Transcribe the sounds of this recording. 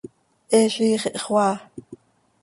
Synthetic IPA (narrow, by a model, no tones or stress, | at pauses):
ʔɛːɬiːχeʔχwɑː